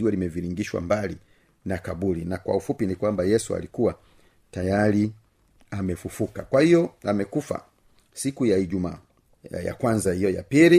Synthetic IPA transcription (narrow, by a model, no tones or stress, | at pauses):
iwɛlimɛviɾiŋɡiʃwa̰mbali | nakabulinakwa̰ufupinikwambajɛsua̰likuwa | tajali | amɛfufukakwahijɔamɛkufa̰ | sikujaiʄumaː | ja̰kwanzahijɔja̰pili